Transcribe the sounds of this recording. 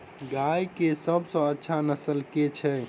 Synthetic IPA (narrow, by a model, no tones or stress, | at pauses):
ɡajkesəbsə̃ətːʃʰanəsəlket͡ʃʰɛ